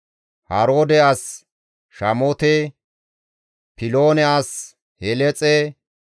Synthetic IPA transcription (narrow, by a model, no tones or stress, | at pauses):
hɐɾoːd̪ɛas | ʃɐmoːt̪e | pɪloːnɛas | hɛlɛt͡sʼɛ